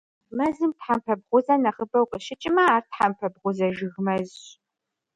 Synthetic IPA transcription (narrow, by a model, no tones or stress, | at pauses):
mɐzɨmtħampʰɐb̚ʁʷʊzɐnɐχəbɐwqəʃɪt͡ʃʼɪmɐaːrtħampʰɐbʁʷʊzɐʒɨɣmɐzɕ